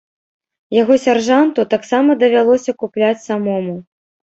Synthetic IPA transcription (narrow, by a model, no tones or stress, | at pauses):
jaɣɔsʲarʐant̪ut̪aksamɐd̪ɐvʲalˠɔsʲɐkuplʲat͡sʲsamɔmu